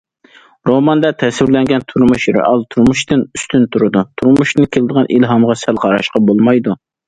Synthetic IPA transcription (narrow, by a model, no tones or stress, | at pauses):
ɾomɑnd̪ɑt̪ʰɛswɪɾlɛŋɡʲɛnt̪ʰuɾmuʃɾḛʔɑlˠt̪ʰuɾmuʃt̪ɨnyst̪ynt̪ʰuɾɨd̪ut̪ʰuɾmuʃt̪ɨnkʲʰelɪd̪əʁɑnʔilɦɑmʁɑsælqʰɑɾɑ̰ʃqɑbolˠmɑjd̪u